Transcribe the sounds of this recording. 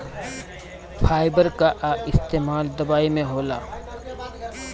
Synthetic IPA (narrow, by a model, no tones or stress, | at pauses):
pʰaːɪbəɾkaʔɪst̪eːmaːld̪ɐbaːimẽɦoːla̰ː